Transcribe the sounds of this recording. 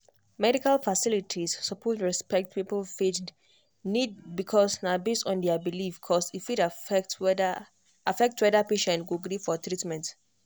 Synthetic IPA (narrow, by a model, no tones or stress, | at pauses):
mɛɾikalfasilitʰisːɔpʰɔtɹɛspɛk̚t̚pipəlfit | nid̚bikʰɔsnabestɔ̃ndɛabilifkʰɔsifit | afɛk̚twɛdapeʃɛ̃ntɡuɡɾifɔtʰɹitmɛ̃nt